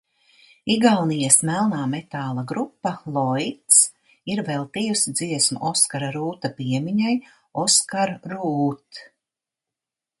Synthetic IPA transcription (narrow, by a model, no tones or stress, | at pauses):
iɡalnijasmælˠnaːmet̪aːlˠaɡɾupːalˠɔjt̪s | iɾvɛlˠt̪ijusid̪ziɛsmṵʔɔskaɾaɾuːt̪apiɛmiɲaj | ɔskaɾɾuːt̪